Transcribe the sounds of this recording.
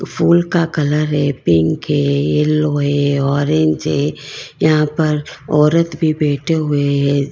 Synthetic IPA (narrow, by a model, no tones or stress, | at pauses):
pʰuːlkakɐləɾɦɛpɪ̃ŋkɦɛːeloɦɛɔːɾẽːɲd͡ʒɦɛːjɐɦãpɐɾɔːɾət̪bʱibɛːʈʰeɦʊeɦɛ